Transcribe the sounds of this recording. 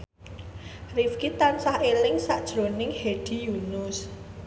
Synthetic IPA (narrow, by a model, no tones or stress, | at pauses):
rifkit̪ansahelɪŋsaʔd̥ʒ̥ɾo̤nɪŋheɖ̥i̤junʊs